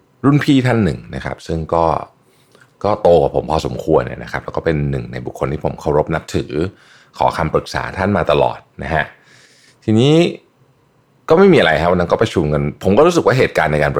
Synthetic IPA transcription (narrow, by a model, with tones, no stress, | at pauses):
ɾu˥˩npʰiː˥˩t̪ʰa˥˩nːɯ̰˨˩ŋna˦˥kʰa̰˦˥p̚sɯ˥˩ŋkɔː˥˩ | kɔː˥˩t̪oː˧kwaː˨˩pʰo˩˦mpʰɔː˧so˩˦mkʰu˧ənːḭ˥˩na̰˦˥kʰa˦˥plɛː˦˥wkɔː˥˩pe˧nːɯ˨˩ŋna̰˧jbu˨˩kʰːo˧nt̪ʰiː˥˩o̰˩˦mkʰa˥˩wɾo˦˥p̚na˦˥p̚t̪ʰɯː˩˦ | kʰɔ̰ː˩˦kʰa˧mpɾɯ˨˩k̚sa̰ː˩˦t̪ʰa˥˩nmaː˧t̪a˧lɔ̰ː˨˩t̪̚na˦˥kʰa˦˥ʔ | t̪ʰiː˧niː˦˥ | kɔː˥˩ma˥˩jmiː˧ʔa˧ɾa˧jkʰa˦˥wa˧na˦˥nkɔ˥˩pɾa˧t͡ɕʰu˧mka˧npʰo˨˩˦mkɔː˥˩ɾuː˦˥sɯ˨˩k̚waː˥˩e˨˩t̪̚kaː˧nːa˧jkaː˧np